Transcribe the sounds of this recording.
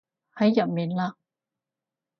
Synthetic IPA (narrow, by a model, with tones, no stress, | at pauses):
ha˨˥˦jja˨˩me˨˥˦nla˧˥